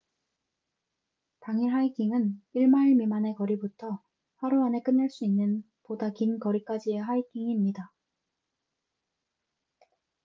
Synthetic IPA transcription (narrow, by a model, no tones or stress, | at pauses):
taŋiɦaikʰiŋɯniɭmaiɭmimane̞kʌɾibutʰʌ | ɸaɾuane̞k͈ɯnːɯɭs͈uinːɯn | podakinkʌɾik͈ad͡ʑieɦaik͈ʰiŋiːmɲida